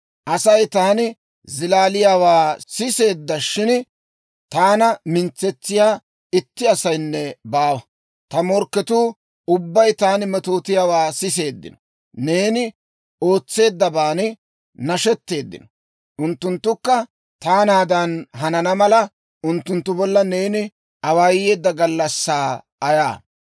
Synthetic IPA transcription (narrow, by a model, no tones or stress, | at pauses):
ʔɐsɐjt̪aːnɪ | zɪlaːlɪjaːwaːsɪse̞ːd̪ːɐʃɪn | t̪aːnɐmɪnt͡sːɛt͡sːɪjaː | ɪt̪ːɪɐsɐjnːɛbaːwɐ | t̪ɐmɔɾkːɛt̪uː | ʊbːɐjt̪aːnmɛt̪o̞ːt̪ɪjaːwaːsɪs̬e̞ːd̪ːɪ̰nɔ | ne̞ːnɪ | o̞ːt͡sːe̞ːd̪ːɐbaːnɪ | nɐʃɛt̪ːe̞ːd̪ːɪ̰nɔ̥ | ʔʊnt̪ːʊnt̪ːʊkːɐ | t̪aːnaːd̪ɐnɦɐnɐnɐmɐlɐ | ʊnt̪ːʊnt̪ːʊbɔlːɐne̞ːnɪ | ɐwaːje̞ːd̪ːɐɡɐlːɐsːaː | ɐja̰ː